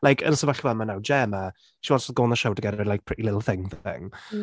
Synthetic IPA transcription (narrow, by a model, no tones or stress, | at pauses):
lajkʰə̰nəsəvaɬivɛlˠmanawd͡ʒɛːmə | ʃiwasɔðɡoːnəʃowdəɡɛdəlajk̚pʰɹ̥ɪtilɪtˡl̩ˠθɪŋðɪ̰ŋ